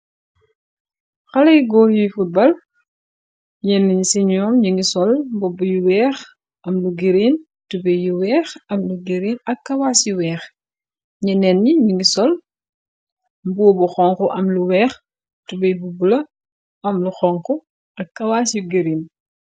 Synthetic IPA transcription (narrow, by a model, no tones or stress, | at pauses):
xɐlɐjɡɔːjujfubɐl | ɲɛnːɐɲisɛɲɔːmɲiŋɡisɔlbɔbːujuwɛːx | ʔɐmluɡiɾiːn | tubɛjjuwɛːxɐmluɡiɾiːnɐkːɐwaːsjuwɛːx | ɲɐnɛnːiɲiŋɡisɔl | mbuːbuxɔŋkɔʔɐmluwɛːx | tubɐjbubulɐ | ɐmluxɔŋkɔ | ɐkːɐwaːsjuɡiɾin